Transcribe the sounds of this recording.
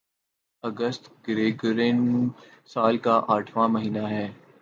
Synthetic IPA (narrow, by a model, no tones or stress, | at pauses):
ɐɡəst̪ɡɪɾeːɡɾẽːnũsaːlkaʔaːʈʰʋãmɐɦiːnaɦɛː